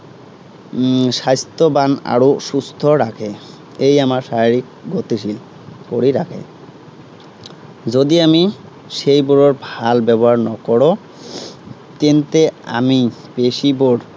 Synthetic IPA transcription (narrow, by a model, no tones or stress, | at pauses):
ʃajst̪obana̰ɾoʃust̪ʰoɾakʰe | ejamaɾʃaɾikɡot̪iʃil | koɽiɾakʰḛ | d͡ʑod̪iami | ʃejboɽoɾbʱalbɛbɔɦaɾnɔkɔɽo | t̪ent̪ea̰mipeʃiboɽ